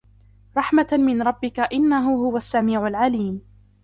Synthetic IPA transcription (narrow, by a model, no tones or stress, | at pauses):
ɾˤɑħmamɪnɾˤɑbːɪkaʔɪnːaɦʊɦʊwasːamiːʕalʕaliːm